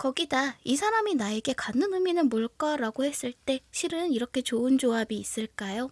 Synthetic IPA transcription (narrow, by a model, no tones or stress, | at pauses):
kʌɡidaisʰaɾaminae̞ɡe̞kanːɯnɯminɯnmoɭk͈ʌɾaɡohe̞s͈ɯɭt͈e̞ɕʰiɾɯniɾʌkʰe̞t͡ɕoɯnd͡ʑoabiːs͈ɯɭk͈ajo